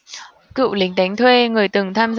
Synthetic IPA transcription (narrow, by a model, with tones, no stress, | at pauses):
kɨ̰˧˨wlï˨˦ŋ̟ɗ̪a˨˦jŋt̪ʰwe˧ŋɨ˨˩əjt̪ɨ˨˩ŋt̪ʰaː˧mz